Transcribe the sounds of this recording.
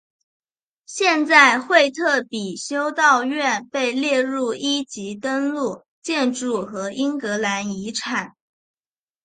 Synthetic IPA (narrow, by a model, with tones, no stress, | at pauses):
ɕjɛ˥˧nt͡sa˥˧ɪxwe˥˧ɪt̪ʰɤ˥˩pi˨˩ɕjo˥ʊt̪ɑ˥˧ʊɥɛ˥˧npe˥˧ɪljɛ˥˧ɻu˥˩i˥t͡ɕi˧˥t̪ə˥nlu˥˩ | t͡ɕjɛ˥˧nʈ͡ʂu˥˩xɤ˧˥ʔi˥ŋkɤ˧˥la˧˥ni˧˥ʈ͡ʂʰa˨˩˦n